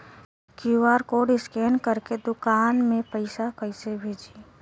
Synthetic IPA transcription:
kuwaːɾkoɖɪskeːnkəɾked̪ʊkaːnmẽpəɪsakəɪsebʱeːd͡ʒiː

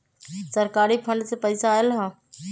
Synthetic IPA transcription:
səɾkaːɾipʰə̃ɳɖt̪epəɪsaːɪlɦãː

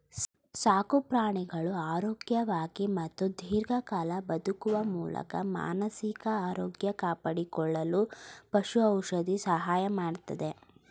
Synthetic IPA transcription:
saːkupɾaːɳiɡɐɭuaːɾoːɡjɐʋaːɡimɐt̪ːud̪ʱiːɾɡɐkaːlɐbɐd̪ukuʋɐmuːlɐ̰kɐ̰ma̰ːnɐsikɐaːɾoːɡjɐkaːpɐɽikɔɭːɐlupɐʃuɐwʃɐd̪isɐɦaːjɐmaːɖt̪ɐd̪e̞

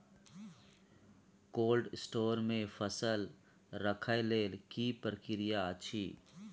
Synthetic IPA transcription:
koːlɖsʈoːɾmẽfʰəsəl | ɾəkʰaeleːlkipɾkɪɾɪjat͡ʃʰiː

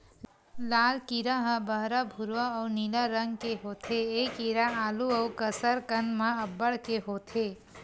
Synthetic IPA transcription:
lalkiɾəɦəbəɦɾəbʱuɾʋəːwniləɾəŋɡkeɦot̪ʰeːkiɾaaluəwkəsəɾkənmaəbːəɽkeɦot̪ʰe

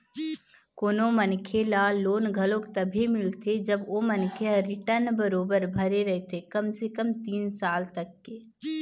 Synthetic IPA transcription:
koːnomɐnkʰelaloːnɡʱɐlõkt̪ɐbʱimɪlt̪ʰed͡ʒɐboːmɐnkʰeəɾɪʈəɾnbəɾoːbəɾbʱɐɾeɾɐɦet̪ʰekɐmsekəmt̪iːnsaːlt̪ɐkːeː

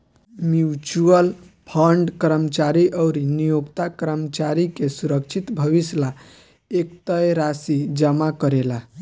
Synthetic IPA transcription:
mjut͡ʃuəl | pʰəɳɖkəɾəmt͡ʃaɾiʔəʊɾinijoɡt̪akəɾəmt͡ʃaɾikesuɾək̚t͡ʃʰit̪bʱəbisla | ekt̪əjɾasid͡ʒəmakəɾela

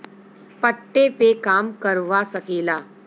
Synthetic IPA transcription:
pəʈːepekaːmkɐɾʋasɐkeːlaː

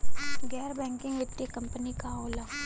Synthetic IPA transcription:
ɡɛːɾbɛ̃ːŋkɪ̃ŋɡʋɪʈːekɐ̃mpənikaɔːləɡ

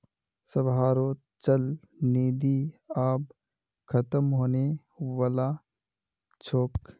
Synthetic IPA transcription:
səbɦaːɾoː | t͡ʃəl | neːd̪iaːb | kʰət̪əmɦoːne | waːla | t͡ʃʰoːk

